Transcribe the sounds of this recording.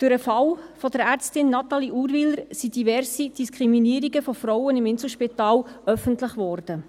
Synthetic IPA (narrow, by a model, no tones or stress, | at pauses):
d̥ʊɾəfɑlfɔdəɾæːɾt͡stɪnːɑt̪ɑliʔuːɾʋɪləɾsid̥ivɛɾsid̥iskʰɾiminiəɾiɡəfɔfɾɔwənɪmɪnsl̩ˠʃpitɑːlœfəntləχʋɔːrd̥ə